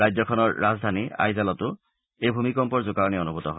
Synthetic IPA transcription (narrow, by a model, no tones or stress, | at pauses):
ɹajzɔkʰɔnɔɹːazdʱania̰jzalɔtʊ | ejbʱumikɔmpɔɹzʊkaɹniɔnubʱutɔɦɔ